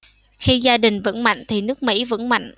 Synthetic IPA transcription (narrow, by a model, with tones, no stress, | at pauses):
xi˧zaː˧ɗï˨˩ŋ̟və̰˧˥nma̰˧˨jŋ̟t̪ʰi˨˩nɨ˦˥ək̚mḭ˧˥və̰˧˥nma̰˧˨jŋ̟